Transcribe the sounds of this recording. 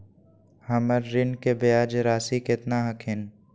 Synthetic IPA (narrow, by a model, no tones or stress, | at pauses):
hɐməɾːɪnkebejaːd͡ʒɾaːsikɪt̪naɦəkʰɪn